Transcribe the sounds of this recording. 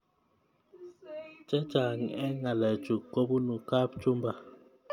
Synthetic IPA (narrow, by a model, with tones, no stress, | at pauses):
t͡ʃɛ˦t͡ʃa˨ŋɛ˦ŋa˨lɛ˨t͡ʃu˨ko˦bu˦nu˨ka˦p̚t͡ʃu˦mba˨